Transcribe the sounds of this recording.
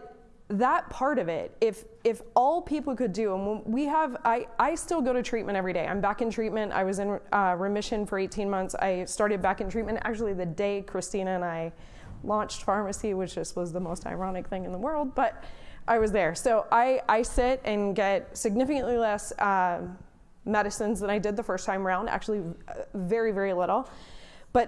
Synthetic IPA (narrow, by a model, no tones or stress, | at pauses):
ðət̚pʰɑɹɾʌvɪ̰t̚ɪfɪfɔlˠpʰipl̩ˠkɨdɨə̃nwwiəvaɪaɪstɪlˠɡoʊɾɨtʰɹ̥itmʔɨ̃ñtɛvɹideɪʔã̰ɪ̃mbækɨ̃ntʰɹ̥it̚mɨ̃nta̰ɪwʌzɨ̃nʌɹɨmɪʃɨ̃nfə˞eɪtʰĩnmʌ̃nθsa̰ɪstɑɹɾɨd̚bækɨ̃n̩tʰɹ̥it̚mɨ̃ntæ̰k̚t͡ʃʉl̩ˠiðɨdeɪkʰɹ̥ɨstĩɾ̃ɨɨ̃naɪ | lɑ̃nt͡ʃtfɑɹmɨsiwɨt͡ʃʌst̚wʌzðəmoʊsta̰ɪɹɑnɨk̚θɪ̃ŋɨ̃nðəwɜ˞lˠd̚bʌɾʔaɪwʌzðə˞soʊʔaɪʔaɪsɪɾɨ̃nɡɛt̚sɨɡ̚nɪfɨkɨ̃nʔlilɛsʌ | mɛɾɨsɨ̃nzðə̃ɾ̃aɪdɨd̪̚ðəfɜ˞stʰãɪ̃mə˞ãʊ̃ndæ̰k̚t͡ʃʉl̩ˠivɛɹivɛɹilɪɾl̩ˠb̥ʌt̚